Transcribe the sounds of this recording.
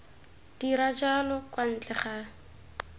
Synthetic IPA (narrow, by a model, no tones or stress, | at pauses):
d̥iɾad͡ʒalɔkwan̩t͡ɬʼɛχa